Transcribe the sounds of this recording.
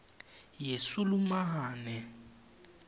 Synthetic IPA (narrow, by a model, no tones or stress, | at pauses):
jesulumaɦaːnɛ